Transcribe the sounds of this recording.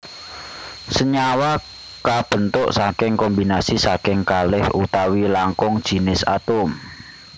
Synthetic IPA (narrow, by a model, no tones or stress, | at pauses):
səɲawa | kab̥ə̤nt̪ʊʔsakɪŋkɔmbinasisakɪŋkalɪhut̪awilaŋkʊŋd̥ʒ̥i̤nɪsa̰t̪ʊm